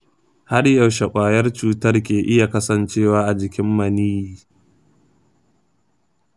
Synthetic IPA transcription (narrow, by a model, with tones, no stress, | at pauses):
ha˦rjɐ˨wʃɐ˨kʷʼaː˨jɐ˦rt͡ʃuː˦tɐ˦rk̬ʲeː˨ʔɪ˦ja˨kɐ˦sɐ˨nt͡ʃeː˦waː˦ʔa˨d͡ʒɪ˨kʲɪ˦mːɐ˨niː˦jiː˨